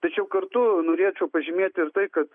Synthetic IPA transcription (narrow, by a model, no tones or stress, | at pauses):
t̪ɐt͡ʃʲɛʊkɐrt̪unoːɾʲeːt͡ʃɛʊpɐʒʲɪmʲeːt̪ʲɪɾt̪ɐɪkɐt̪